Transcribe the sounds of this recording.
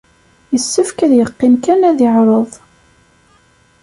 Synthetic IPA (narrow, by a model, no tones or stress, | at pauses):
jəsːəfkæðjəqːɪmkænæðɪʕɾˤəðˤ